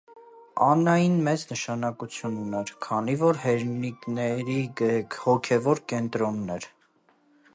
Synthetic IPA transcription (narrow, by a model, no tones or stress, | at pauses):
ɑnɑjinmɛt͡snəʃɑnɑkut͡sʰjunːɛɾkʰɑnivɔɾɦɛɾniknɛɾihɔkʰɛvɔɾkɛnt̪ɾɔnːɛɾ